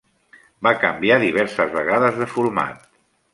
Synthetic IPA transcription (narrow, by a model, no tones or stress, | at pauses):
bakəmbiaðiβ̞ɛɾsəzβəɣaðəzðəfuɾma̰t̪̚